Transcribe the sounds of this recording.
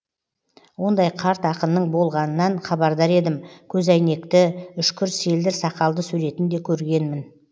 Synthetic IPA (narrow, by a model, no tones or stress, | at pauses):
wo̞nd̪ɑjqʰɑɾt̪ɑqənːəɴbo̞lˠʁɑnənɑɴχɑbɑɾd̪ɑɾe̞d̪ɪmkʲʰɵzæjne̞kt̪ɪʏʃkʲʰʏɾse̞ld̪ɪɾsɑqɑlˠd̪əsɵjɾe̞t̪ɪnd̪e̞kʲʰɵɾɡʲe̞nmɪn